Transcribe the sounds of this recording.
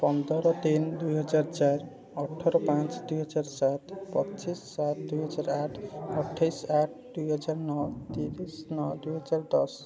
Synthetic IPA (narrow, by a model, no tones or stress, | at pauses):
pɔnd̪ɔɾɔt̪ind̪ujɦɔd͡ʒaɾt͡ʃaɾ | ɔʈʰːɔɾɔpãt͡ʃd̪ujɦɔd͡ʒaɾsat̪pɔtːt͡ʃisːat̪d̪ujɦɔd͡ʒaɾaʈʰɔʈʰːajsaʈ̚ʰd̪ujɦɔd͡ʒaɾnɔt̪iɾisnɔd̪ujɦɔd͡ʒaɾd̪ɔs